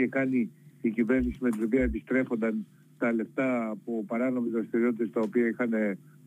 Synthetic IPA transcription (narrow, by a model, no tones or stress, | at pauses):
ekɐniːcive̞ɾnisimet̪ino̞piɐepist̪ɾe̞fo̞nd̪ɐn | t̪ɐle̞ft̪ɐːpo̞pɐɾɐno̞mizðɾɐst̪iɾio̞t̪it̪e̞st̪ɐo̞piɐixɐne̞